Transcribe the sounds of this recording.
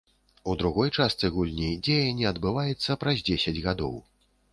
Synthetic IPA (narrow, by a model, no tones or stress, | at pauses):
ud̪ɾuɣɔjt͡ʂast̪sɨɣulʲnʲid͡zʲejɐnʲːiɐd̪bɨvajɛt̪sːɐpɾɐzʲd͡zʲesʲɐd͡zʲɣad̪ɔ̰w